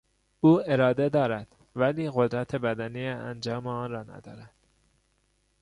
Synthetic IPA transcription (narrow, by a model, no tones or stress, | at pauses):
uːeɾɒːd̪e̞d̪ɒːɾæd̪̥ | væliːɣo̞d̪ɾæt̪ʰebæd̪ænijeænd͡ʒɒːmeɒːnrɒːnæ̰d̪ɒ̰ːɾæd̪̥